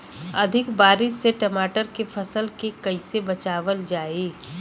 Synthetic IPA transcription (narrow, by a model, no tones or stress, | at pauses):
ɐd̪ʱɪkbaːɾɪʃːeʈɐmaːʈəɾkepʰɐsəlkekɐɪsebɐt͡ʃaːʋəld͡ʒaːeː